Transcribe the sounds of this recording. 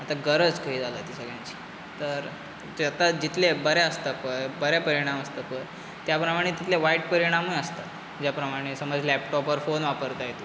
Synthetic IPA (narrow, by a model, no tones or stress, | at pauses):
at̪aɡəɾəd͡zkaɦiːd͡zaləːt̪isəɡɭjãɲt͡ɕi̥ː | t̪əɾ | at̪ad͡ʑit̪ʰlebəɾjaəst̪apəɾbəɾjapəɾiɽ̃aməst̪apəɾ | t̪japɾəmaɽ̃et̪it̪leʋaiʈ̚pəɾiɽ̃amuəst̪at̪ | d͡ʑjapɾəmaɽ̃esəməd͡zlɛpʈɔpəɾfonʋapəɾt̪ajet̪o